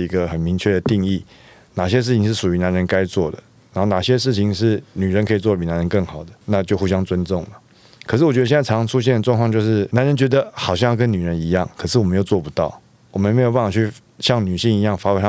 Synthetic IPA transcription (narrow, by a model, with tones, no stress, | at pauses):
i˧˥ɡə˧xə˨˩nmi˧˥ŋt͡ɕʰɥɛ˥˩d̪ə˩t̪i˥˧ŋi˥˩ | na˨˩ɕjɛ˥ʂ̬ɻ̩˥˩t͡ɕʰi˧˨ŋʂɻ̩˥˩ʂu˨˩y˧˥na˧˥nɻə˧˦nka˥ɪt͡swɔ˥˩d̪ə̰˩ | na˧˥nxo˥˩ʊna˨˩ɕjɛ˥ʂ̬ɻ̩˥˩t͡ɕʰi˧˥ŋʂɻ̩˥˩ny˨˩ɻə˧˦nkʰɤ˧˥i˨˩t͡swɔ˥˩i˨˩na˧˥nɻə˧˦nkə˥˩ŋxɑ˨˩ʊd̪ə˦na˥˧t͡ɕjo˥˧ʊxu˥˩ɕjɑ˥ŋt͡swə˦nt͡sʊ˥˩ŋlə˩ | kʰə˨˩ʂ̬ɻ̩˥˩wɔ˨˩t͡ɕɥə˧jɛ˥˧˥ɑ˧˥˧u˦˥ɕ̬jɛ˥˩nd̪ə˩ʈ͡ʂwɑ˥˧ŋkʰwɑ˧t͡ɕjo˥˧ʊʂɻ̩˥˩na˧˥nɻə˧˦nt͡ɕɥɛ˧˥d̪ə˧xɑ˨˩ʊɕjɑ˥˧jɑ˥˧˩kə˦ny˨˩ɻə˧˦ni˧˥jɑ˥˩ŋkʰɤ˨˩ʂɻ̩˥˩wɔ˨˩mə˦˥jo˨˩ʊt͡swɔ˥˩pu˧˥t̪ɑ˥˩ʊ | wɔ˨˩mə˦nme˧˥jʊp̬a˥˩fɑ˨˩t͡ɕʰy˥˩ | ɕjɑ˥˩ŋny˨˩ɕi˥˩ŋi˧˥jɑ˥˩ŋfa˧˥we˧˥ʂ